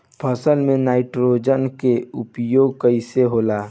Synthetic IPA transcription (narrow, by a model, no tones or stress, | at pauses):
pʰəsəlmẽnaːɪʈɾod͡ʒənkeʊpjoːɡ̚kəɪseɦoːla